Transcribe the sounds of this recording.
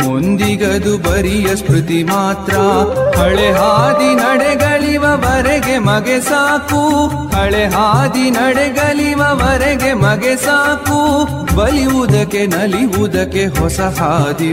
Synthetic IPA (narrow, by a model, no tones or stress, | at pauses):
ond̪iɡɐd̪ubɐɾijɐskʰɾut̪imaːt̪ɾɐhɐɭeɦaːd̪inɐɽɛɡɐɭiʋɐʋɐɾeɡemɐɡesaːku | hɐɭeɦaːd̪inɐɽɛɡɐliʋɐʋɐɾeɡemɐɡesaːku | bɐliʋud̪ɐkːe̞nɐliʋud̪ɐkːeɦɔsɐɦaːd̪i